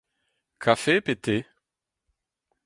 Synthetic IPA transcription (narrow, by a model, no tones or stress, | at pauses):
kʰafepet̪e